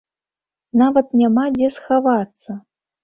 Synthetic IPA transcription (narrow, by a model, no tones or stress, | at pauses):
navɐt̪nʲamad͡zʲɛsxavat̪sːɐ